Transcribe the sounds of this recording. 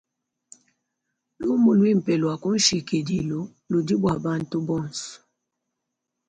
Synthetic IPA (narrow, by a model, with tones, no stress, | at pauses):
lu˦mu˨lwi˦m̩˨pɛ˨lwa˨ku˦n̩˦ʃi˨ke˨di˨lo˨ | lu˨di˦bwa˨ba˦n˦tu˦bɔ˦˨n˨sɔ̥˨